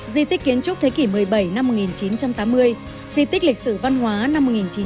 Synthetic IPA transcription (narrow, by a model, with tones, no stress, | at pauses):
zi˧t̪i˦˥k̟kːi˨˦ənt͡ɕʊ˦˥t̪ʰe˨˦ki˧˩mɨ˨˩əjɓə˧˩jna˧mː˨˩t̚ŋi˨˩nt͡ɕi˨˦nt͡ɕa˧mt̪aː˨˦mːɨ˧əj | zi˧t̪i˦˥k̟̚lï˨˩k̟̚sɨ˧˩va˧nɦwaː˨˦na˧mo˨˩ŋi˨˩nt͡ɕi˨˦